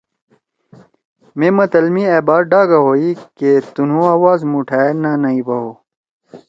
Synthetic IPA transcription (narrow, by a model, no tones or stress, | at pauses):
mẽːmɐt̪ɐlmiebaːɾ̚ɖaːɡaɦoːiket̪unũaːwaːzmuʈʰaːenanɐibɐɦoː